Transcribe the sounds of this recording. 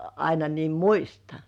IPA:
ɑinɑ niːm muistɑ

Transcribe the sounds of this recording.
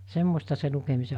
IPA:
semːostɑ se lukemise

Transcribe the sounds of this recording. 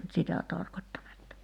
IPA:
nyt sitæ tɑrkotʲtɑnetːɑ

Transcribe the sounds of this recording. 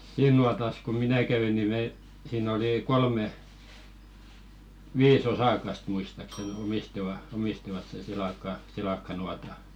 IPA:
siːn nuɑtɑs ko minæ kɛʋi ni me siːn oli kolme ʋiːs osɑkɑst muistɑksen omistiʋɑ omistiʋɑt sen silɑkːɑ silɑkːɑnuɑtɑ

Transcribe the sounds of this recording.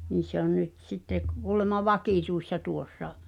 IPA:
ni se on nyt sitːe k kuːlemɑ ʋɑkiˑtuisːɑ tuosːɑ

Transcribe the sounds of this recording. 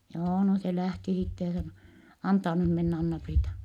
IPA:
joː no se læhti sitːe jɑ sɑno ɑntɑː nym menː ɑnːɑpriːtɑ

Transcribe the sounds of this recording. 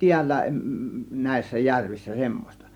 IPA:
tiælːæ næˑe̝sːæ jærʋisːæ semːos̆tɑ

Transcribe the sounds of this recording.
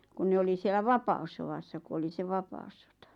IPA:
kun ne oli sielˑæ ʋɑpɑusːowɑsːɑ ku oli se ʋɑpɑŭsːotɑ̥

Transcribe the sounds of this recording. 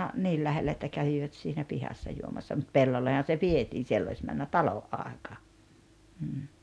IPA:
niːl læhelːæ etːæ kæʋiʋæt siːnæ pihɑsːɑ juomɑsːɑ mut pelːolːehɑn̞ se ʋietiːn sielː ois mænːæ tɑloʔ ʔɑˑekɑˑ m̩ː

